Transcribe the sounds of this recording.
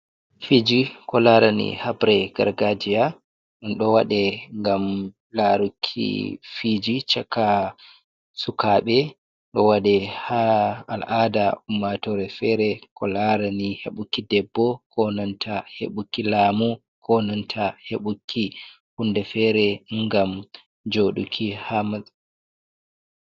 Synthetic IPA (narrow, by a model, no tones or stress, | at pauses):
fid͡ʒikɔlaɾanḭhabɾɛɡ̥a̰ɾɡad͡ʒija | ɗɔnɗɔwaɗɛŋɡam | laɾukʰːḭfid͡ʒit͡ʃakːa | sukaɓɛ | ɗɔwaɗɛhaalʔadaumːatɔɾɛfɛɾɛkɔlaɾanihḛɓukːidɛbːɔkɔnantʰahḛɓukːilaːmu | kʰɔnantʰaheɓukʰːi | hundɛfɛɾɛŋɡam | d͡ʒoɗṵkʰihamaz